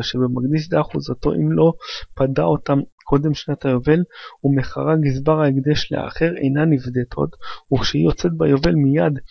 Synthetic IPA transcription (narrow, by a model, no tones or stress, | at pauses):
ʃebemaɡd̪is̬d̪aaχuzat̪o̞̰ʔimlo̞padao̞t̪amkʰo̞d̪e̞mʃnat̪hajo̞ve̞lumeχaʁaɡizbaʁaiɡd̪eʃlḛa̰χe̞ʁḛjnanivd̪et̪ʰo̞̰t̪uχʃeijo̞t͡set̪̚bajo̞ve̞lmijad̪